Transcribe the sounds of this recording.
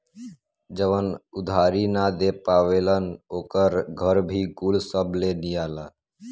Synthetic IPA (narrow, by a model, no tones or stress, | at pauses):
d͡ʒəʋənʊd̪ʱaːɾinad̪epaːʋeːlənoːkəɾɡʱəɾbʱiɡulsəblenijaːlaː